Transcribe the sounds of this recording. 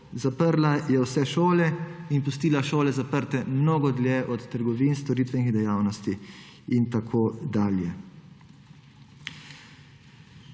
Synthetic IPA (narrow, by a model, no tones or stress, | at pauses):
zapəɾlajɛwsɛʃoːlɛinpust̪iːlaʃoːlɛzapəɾt̪ɛmnoːɡɔd̪ljeːʔɔt̪ːəɾɡɔʋiːnst̪ɔɾiːt̪ʋɛnixd̪ɛjaːwnɔst̪i | int̪akʰoːd̪aːljɛ